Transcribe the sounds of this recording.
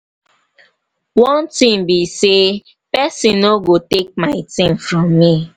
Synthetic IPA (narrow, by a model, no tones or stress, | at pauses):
wɔ̃ntĩmbise | pɛsĩnoɡotek̚maɪtĩmfɾɔmːi